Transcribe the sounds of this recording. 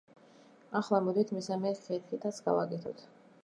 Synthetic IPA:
aχlˠamɔd̪it̪ʰmisamɛkʰɛt̪kit̪ʰat̪sʰɡa̰vakʼɛt̪ʰɔ̰t̪ʰ

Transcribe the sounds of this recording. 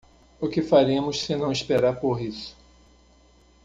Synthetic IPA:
ʊkɪfaɾẽmʊssɪnɐ̃w̃ispeɾaɾpoɾisʊ̥

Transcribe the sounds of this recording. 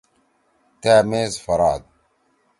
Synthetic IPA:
t̪aːmeːzfɑɾˤɑːd̪̚

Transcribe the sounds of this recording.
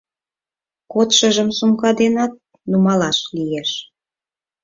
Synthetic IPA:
kot̪ʃə̆ʒə̆msumkɑd̪enɑt̪̚ | numɑlɑʃlieʃ

